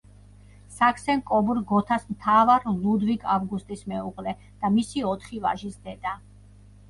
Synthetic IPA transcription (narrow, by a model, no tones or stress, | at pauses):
sakʰsɛnkʼɔbuɾɡɔt̪ʰasmt̪ʰavaɾlˠud̪vikʰavɡust̪ʼismɛuqʼlɛ | d̪̥amisiɔt̪ʰχiva̰ʒisd̪ɛd̪a